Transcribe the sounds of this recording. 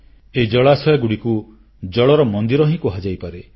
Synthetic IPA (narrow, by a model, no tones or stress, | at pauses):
eid͡ʒɔɭasɔjɔɡuɽiku | d͡ʒɔɭɔɾɔmɔnd̪iɾɔɦĩkuɦad͡ʒajpaɾe